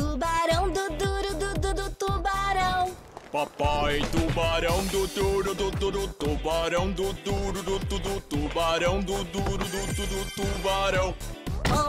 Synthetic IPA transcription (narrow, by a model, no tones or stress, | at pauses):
t̪ubaɾɐ̃w̃d̪ʊd̪uɾʊd̪ʊd̪ʊd̪ʊt̪ubaɾɐ̃w̃ | papajd̪ubaɾɐ̃w̃d̪ʊt̪uɾʊd̪ʊt̪ud̪ʊt̪ubaɾɐ̃w̃d̪ʊd̪uɾʊd̪ʊt̪ud̪ʊt̪ubaɾɐ̃w̃d̪ʊd̪uɾʊd̪ʊt̪ud̪ʊt̪ubaɾɐ̃w̃o